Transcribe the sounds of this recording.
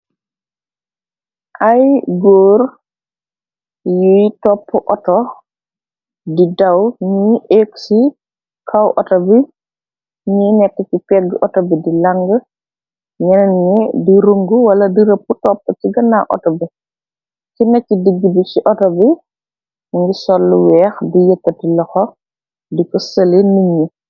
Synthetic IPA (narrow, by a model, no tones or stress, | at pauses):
ʔajɡoːɾ | jujtɔpʰːɔʔɔtɔ | didawɲiːʔeksi | kʰawʔɔtɔbi | ɲiːnɛkːət͡ʃipɛɡːʔɔtɔbidilaŋɡə | ɲɛnɐnɲidiɾuŋɡuwɐlɐdiɾəpːutɔpːəciɡɐnaʔɔ̰tɔbi | cinɐcːidiɡːibit͡ʃiʔɔtɔbi | ŋɡisɔlːuwɛːxdijəkːɐtilɐxɔ | dikəsəleniɲi